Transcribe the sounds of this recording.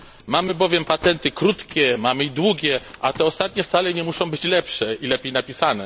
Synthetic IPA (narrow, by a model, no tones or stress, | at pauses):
mamɘbɔvʲjɛmpat̪ɛnt̪ɘkɾut̪kʲɛmamɘid̪wuɡʲɛʔat̪ɛɔst̪at̪̚ɲɛft̪salɛɲɛmuʂɔ̃w̃bɘt͡ɕlɛpʂɛilɛpʲjejnapʲisanɛ